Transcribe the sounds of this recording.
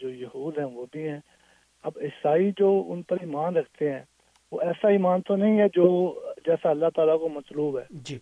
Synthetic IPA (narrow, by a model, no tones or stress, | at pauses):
d͡ʒoːjɐɦuːd̪ɦɛ̃ːʋoːbʱiɦɛ̃ː | ɐbɪsaːid͡ʒoːʊ̰npəɾiːmaːnɾəkʰt̪eɦɛ̃ː | ʋo̰ːɛːsaiːmaːnt̪onɐɦĩɦɛd͡ʒoːd͡ʒɛːsaəlːat̪aːlakomət̪luːbɦɛːd͡ʒi